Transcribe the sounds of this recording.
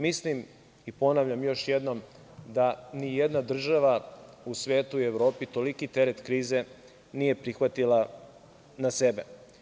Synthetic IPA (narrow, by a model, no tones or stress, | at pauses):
mislim | ipo̞naʋʎamjo̞ʃjed̪no̞m | d̪anijed̪nad̪r̩ʒaʋa | usʋe̞ːt̪uieʋɾo̞ːpit̪o̞likit̪e̞ɾet̪kɾiːze̞ | nije̞pɾixʋat̪ila | nase̞be